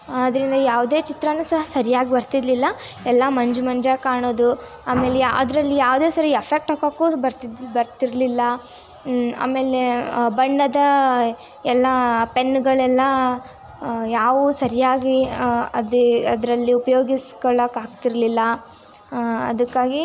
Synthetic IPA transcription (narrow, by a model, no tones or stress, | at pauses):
ɐd̪ɐɾind̪ɐjaːʋd̪e̞ːt͡ʃit̪ɾɐnusɐɦɐsɐɾijaːɡibɐɾt̪id̪lilːɐɛlːɐmɐɲd͡ʒumɐɲd͡ʒɐkaːɳoːd̪u | aːme̞ːlejaɐd̪ɾɐlːijaːʋd̪e̞ːsɐɾiɐpʰek̚ʈɐkɐkːuːbɐɾt̪bɐɾt̪iɾlilːɐ | a̰ːme̞ːlebɐɳːɐd̪ɐ | ɛlːɐpe̞nːɡɐɭɛlːɐ | jaːʋusɐɾijaːɡiɐd̪ɐd̪ɐɾɐlːiupɐjo̞ːɡiskɔɭɐkaːɡt̪iɾlilːɐ | ɐ̰d̪ɐkːaːɡi